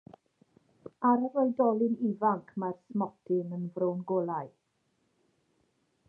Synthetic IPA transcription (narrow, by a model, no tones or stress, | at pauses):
aɾarɔɨdɔlˠɪnivaŋkʰmarsmɔtʰɪnənvrownɡoːlˠaj